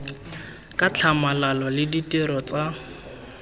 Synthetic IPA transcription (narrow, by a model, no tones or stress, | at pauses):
kʼat͡ɬʰamalalɔlɪditʼɪɾɔt͡sʼa